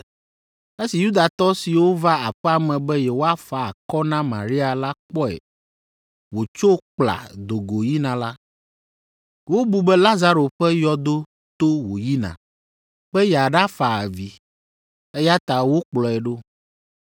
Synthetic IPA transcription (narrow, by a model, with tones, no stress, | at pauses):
e˦si˨ju˦d̪a˨t̪ɔ˦si˨wo˦va˦a˨ɸɛ˦a˨mɛ̃˨bɛ˦je˨wo˦a˦fa˨a˨kɔ˦nã˦mã̰˨ɾi˦a˨la˦k͡pɔ˦ɛ̰˨ | wo˨t͡ʃo˦k͡pla̰˨d̪o˨ɡo˨ji˦nã˨la˦ | wo˦bu˦bɛ˦la˦za˦ɾo˨ɸɛ˦jɔ˦d̪o˦ | t̪o˦wo˨ji˦nã̰˨ | ɸɛ˦ja˨ɖa˦fa˨a̰˨vi˨ | e˦ja˦t̪a˨wo˦k͡plɔ˨ɛ˨ɖo˦